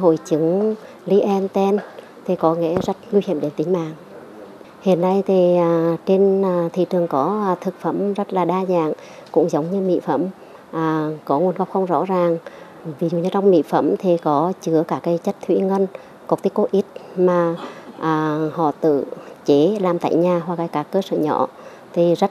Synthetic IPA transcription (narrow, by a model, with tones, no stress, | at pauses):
ɦo̰˧˨jt͡ɕɨ˨˦ŋ | li˧ʔɛ˧nt̪ɛ˧n | t̪ʰi˨˩kɔ˨˦ŋḛ˧˥zə˦˥t̚ŋwi˧hi˧˩əmɗe˨˦nt̪ï˨˦ŋ̟ma̰ː˧˨ŋ | hḭ˧˨ənːa˧jt̪ʰiː˨˩˨t͡ɕe˧nː˨˩t̪ʰḭ˧˨tɨ˨˩əŋkɔ˨˦˨t̪ʰɨ˨˩k̚fə˧˥mzə˦˥t̚laː˨˩ɗaː˧za̰ː˧˨ŋ | kʊ̰˧˥ŋ͡mzə˨˦wŋ͡mɲɨ˧mḭ˧˨fə˧˥m | ʔaː˨˩kɔ˨˦ŋu˨˩ənka˨˦˩w̚xə˧wŋ͡mzɔ̰˧˥zaː˨˩ŋ | vi˨˩zṵ˧˨ɲɨ˧t͡ɕɔ˧wŋ͡mmḭ˧˨fə̰˧˥mt̪ʰi˨˩kɔ˨˦t͡ɕɨ˨˦əkaː˧˩kaː˨˦jt͡ɕə˦˥t̚t̪ʰwḭ˧˥ŋə˧n | kɔ˨˩k̚t̪i˦˥ko˨˧˦ʔi˦˥t̚maː˨˩ʔəː˨˩hɔ̰˧˨t̪ɨ̰˧˨t͡ɕe˨˦laː˨˩mt̪a̰ː˧˨jɲaː˨˩ɦwaː˨˩k̚aː˨˩jkaː˨˦˩kːəː˧sə̰ː˧˨ɲɔ̰˧˨ | t̪ʰi˨˩zə˦˥t̚